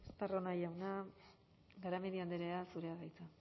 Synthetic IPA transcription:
st̪aronajawna | ɡaɾameðiand̪eɾe̞asuɾe̞aðajt͡sa

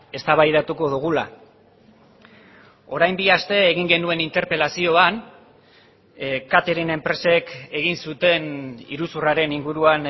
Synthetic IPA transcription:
e̞st̪aβajðat̪uko̞ðuɣ̞ula̰ | o̞ɾajmbiast̪e̞ːɣ̞iŋɡe̞nue̞nint̪e̞ɾpe̞lasio̞an | kat̪e̞ɾine̞mpɾe̞se̞ke̞ɣ̞insut̪e̞nḭɾusuraɾe̞niŋɡuɾuan

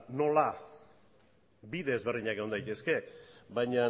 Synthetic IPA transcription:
no̞la | biðe̞zβe̞rðiɲake̞o̞nd̪ajt̪e̞ske̞βajɲa

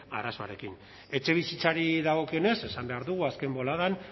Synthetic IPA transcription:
a̰rasoa̰ɾe̞kin | e̞t͡ʃe̞β̞isit͡saɾiðaɣ̞o̞kio̞ne̞se̞sambe̞aɾðuɣuaske̞mbo̞laðan

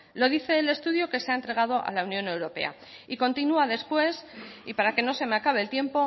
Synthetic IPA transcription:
lo̞ðiθe̞ːle̞st̪uðjo̞ke̞seaent̪ɾe̞ɣ̞að̞oʔa̰launjõ̞ne̞wɾo̞pe̞̰a̰ | iko̞nt̪inuaðe̞spwe̞sipaɾake̞no̞se̞meakaβ̞e̞ːlt̪je̞mpo̞

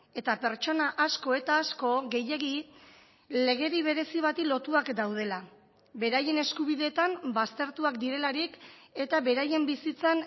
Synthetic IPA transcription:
e̞t̪ape̞ɾt͡ʃo̞naʔasko̞e̞t̪aːsko̞ɣe̞je̞ɣi | le̞ɣ̞e̞ɾiβ̞e̞ɾe̞siβ̞at̪ilo̞t̪uakd̪awð̞e̞la | be̞ɾaje̞ne̞skuβ̞iðe̞ːt̪ambast̪e̞ɾt̪uakd̪iɾe̞laɾike̞t̪aβe̞ɾaje̞mbisit͡san

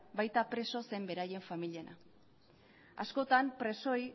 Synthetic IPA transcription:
bajt̪apɾe̞so̞se̞mbe̞ɾaje̞ɱfamiliena̰ | asko̞t̪ampɾe̞so̞j

